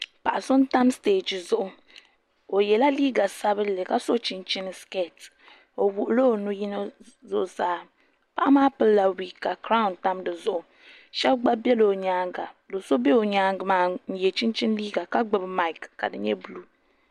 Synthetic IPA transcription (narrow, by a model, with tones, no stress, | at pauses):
pa˨ʔa˨so˦nta˦msteː˦˨d͡ʒzʊ˦ʔʊ˨ | o˨jɛ˨la˦liː˦ɡa˨sa˦bɨ˦lːɨ˨ka˦so˦t͡ʃi˨nt͡ʃi˦n˦ske˦˨t | o˨wu˨ʔʊ˨lo˦˨nu˦ji˦no˦ | zʊ˦ʔʊ˨saː˦ | pa˦ʔa˦maː˦pɨ˦lla˨wi˨ka˨kɾa˦ʊ˨nta˦mdɨ˨zʊ˦ʔʊ˨ | ʃɛ˦bɡ͡ba˦bɛ˦lo˨o˨ɲaː˦ŋɡa˨do˨so˦be˦o˨ɲaː˦ŋ˨maː˨n̩˦jɛ˨t͡ʃi˦nt͡ʃi˦nliː˦ɡa˨ka˦ɡ͡bɨ˦bɨ˦ma˨i˨kːa̰˨dɨ˨ɲɛ˦blu˦